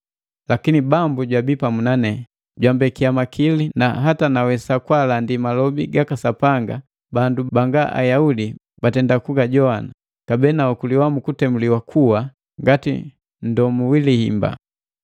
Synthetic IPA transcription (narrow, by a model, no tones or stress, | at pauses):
lakinibambuɟwabipamunanɛ | ɟwambɛkiamakʰilina̰ɦatanawɛsakwalandimalɔbiɡakasapaŋɡa̰ | bandubaŋɡaʔa̰jaudi | batɛndakuɡaɟɔana | kabɛnaukuliwamukutɛmuliwakʰuwa | ŋɡatḭ | ndɔmuwilihḭmba̰